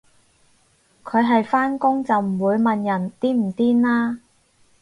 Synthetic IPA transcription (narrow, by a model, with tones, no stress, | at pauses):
kʰɵ˨˧ɥɦɐ˨jfaː˥nkʊ˥ŋt͡sɐ˨wm̩˨˩wuː˨˧jmɐ˨njɐ˨˩nt̪iː˥m̩˨˩t̪iː˥naː˥